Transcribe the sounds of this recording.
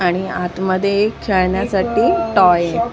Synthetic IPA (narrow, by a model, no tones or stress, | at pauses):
aɽ̃iat̪məd̪ʱjekʰeɭɳjasaʈiːʈɔje